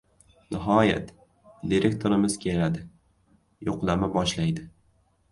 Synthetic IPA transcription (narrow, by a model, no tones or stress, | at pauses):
nʔɪɦɒja̰t̪ | d̪iɾekt̪ʰoɾɪmɪz̥kʲʰelad̪ɪ | joqlˠamabɒʃlajd̪ɪ